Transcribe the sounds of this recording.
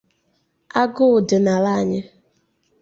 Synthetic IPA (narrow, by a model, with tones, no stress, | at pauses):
a˦ɡʊ˦ʊ˨dɪ˨na˨la˦˨ɲɪ˦